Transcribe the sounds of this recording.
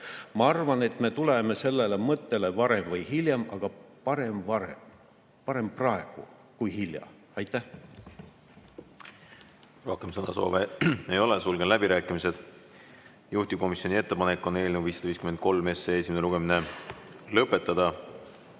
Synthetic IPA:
mɑɑrvɑne̞t̪me̞t̪ule̞me̞se̞lːelemɤt̪ːe̞levɑɾe̞mvɤjhiljɑmɑɡ̥ɑpɑɾe̞mvɑɾḛ | pɑɾe̞mprɑe̞ɡ̥ṵ | kujhiljɑ̰ | ɑjt̪ːˑæh | ro̞hkemsɤnɑ̰so̞̰ːveejo̞lesulɡenlæbiɾæːkːˑimise̞d̪̥ | juht̪ib̥̚ko̞misjo̞nʲie̞t̪ːe̞pɑnekːˑo̞ne̞ːlnewviːsːɑd̪̥ɑiːskymen̚ko̞lme̞seeːsʲimenluɡ̥e̞mine̞lɤpːˑe̞t̪ːˑɑd̪̥ɑ

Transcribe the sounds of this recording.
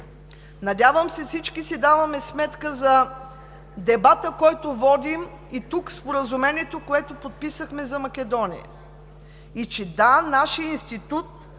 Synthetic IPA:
nɐd̪ʲavəmsɛfsit͡ʃkisid̪avɐmɛsmɛt̪kəzɐ | d̪ɛbat̪əkɔjt̪ovɔd̪im | it̪ukspoɾəzʊmɛniɛt̪okoɛt̪opot̪̚pisəxmɛzɐmɐkʲɛd̪ɔnijə̰ | it͡ʃɛd̪anaʃijəinst̪it̪ut̪̚

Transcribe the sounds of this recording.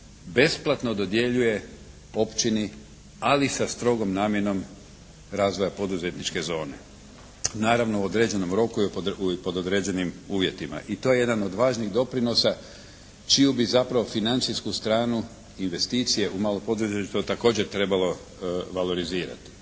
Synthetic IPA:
be̞splˠat̪no̞d̪o̞d̪je̞ʎuje̞ | o̞pt͡ʃini | alisast̪ɾo̞ɡo̞mnaːmje̞no̞m | ɾaːzʋo̞japo̞d̪uze̞t̪nit͡ʃke̞zo̞ːne̞̰ | naːɾaʋno̞uod̪ɾe̞d͡ʑe̞no̞mɾo̞kuipo̞d̪od̪ɾe̞d͡ʑe̞nimuːʋje̞t̪ima̰ʔit̪o̞jeje̞d̪ano̞d̪ʋaːʒniɣd̪o̞pɾino̞sa | t͡ʃijubizapɾaʋo̞finant̪siskust̪ɾaːnu | inʋe̞st̪iːt̪sije̞ʔumaːlˠopo̞d̪uzet͡ʃt̪ot̪ako̞ːd͡ʑe̞ɾt̪ɾe̞balo̞ | ʋalo̞ɾiziːɾa̰t̪i̥

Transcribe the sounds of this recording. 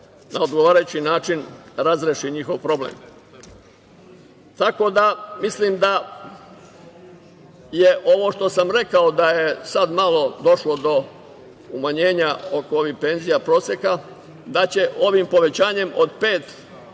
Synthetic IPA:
naod̪ɡoʋaːɾajut͡ɕinaːt͡ʃinɾazɾeʃiɲixo̞ʋpɾo̞blḛːm | t̪ako̞d̪amislimd̪a | jeʔo̞ʋo̞ʃt̪o̞samɾe̞kaod̪ajesad̪malˠo̞d̪o̞ʃlo̞d̪o̞ | umaɲeːɲaokoo̞ʋihpe̞nzijapɾo̞ːsjeka | d̪at͡ɕe̞ʔo̞ʋimpo̞ʋe̞t͡ɕaːɲe̞mo̞d̪pe̞ːt̪

